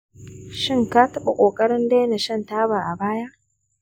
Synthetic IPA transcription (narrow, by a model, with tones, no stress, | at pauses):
ʃɪ˦ŋkaː˦tɐ˦ɓa˨kʷʼoː˨kʼɐ˦ɽɪ˦ndeː˦jna˨ʃɐ˦˨ntaː˦baː˨ʔa˨baː˦ja˦ʔ